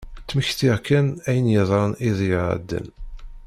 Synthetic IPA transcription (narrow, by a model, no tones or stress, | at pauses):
t͡sːməçθiʁkʰːænæjənjəðˤɾˤəniðˤjəʕə̰d̪ːə̰n